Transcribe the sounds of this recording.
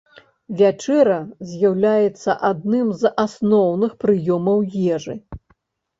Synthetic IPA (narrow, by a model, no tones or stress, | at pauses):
vʲat͡ʂɛɾɐzʲjawlʲajɛt̪sːɐʔad̪̚nɨmzasnɔwnɨxpɾɨjɔmɐwjɛʐɨ